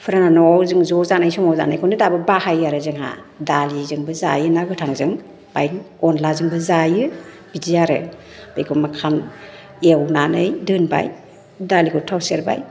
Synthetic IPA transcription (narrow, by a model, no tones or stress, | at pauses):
pʰɯɾananɔwzɯŋzɔzanajsɔmɔwza̰najkʰɔnɯdabɯbahajaɾɯzɯŋha̰ | dalizɯŋbɯza̰jɯnaɡɯtʰaŋzɯŋ | b̥ajnɔnlazɯŋbɯzajɯ | b̥idijaɾɯ̰ | b̥ḛjkʰɔmakʰam | ewnanɯjdɯnba̰j | dalikʰɔtʰawseɾba̰j